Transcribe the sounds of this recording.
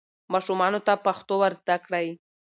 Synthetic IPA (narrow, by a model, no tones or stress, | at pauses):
mɑʃumɑnot̪apaxt̪owaɾzd̪akɽəj